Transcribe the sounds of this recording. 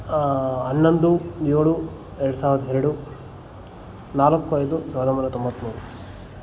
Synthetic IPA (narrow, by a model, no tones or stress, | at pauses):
ɐnːond̪ujoːɭu | ɛɾɐɽusaːʋiɾɐd̪ɐɛɾɐɽu | naːlɐkːujt̪usaːd̪ɐmbɐɾɐt̪ombɐt̪ːmuːɾu